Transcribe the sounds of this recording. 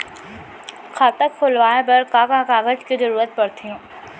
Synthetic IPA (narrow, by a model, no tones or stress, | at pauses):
kʰaːt̪əkkʰʊlʋaːẽp̬ɐɾkãːkãkaːɡəd͡ʒkizəɾuːɾət̪̚pɐɽt̪ʰĩ